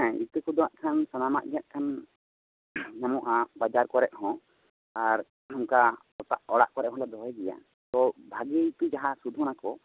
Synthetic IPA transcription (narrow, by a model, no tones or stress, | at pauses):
ɛ̃ḭt̪ukud̪ɔ̃aʔkʰansanama̰ʔɡɛjaʔkʰan | ɲamɔʔabad͡ʒaɾkɔɾɛʔ̚hɔ̃ | aɾ | ɔmka | ɔt̪aʔɔɽa̰ʔkɔɾɛʔɦɔ̃lad̪ɔɦɛɡɛja̰ | t̪ɔbʱaɡieit̪ud͡ʒaɦasud̪ʱunakɔ